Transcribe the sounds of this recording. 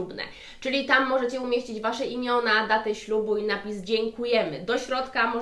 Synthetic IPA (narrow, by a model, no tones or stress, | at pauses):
ubnɛ̰ | t͡ʂɘlʲit̪amːɔʐɛt͡ɕɛumʲjeɕt͡ɕid͡ʑvaʂɛʔimʲjɔnad̪at̪ɛɕlubuinapʲisd͡ʑɛŋkujɛmɘd̪ɔɕɾɔt̪kamɔ